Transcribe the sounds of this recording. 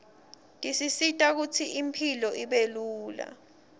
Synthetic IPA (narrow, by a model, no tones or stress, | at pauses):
ndʼisisitʼak̬ut͡sʰiimpʰilɔʔiɓeluːla̰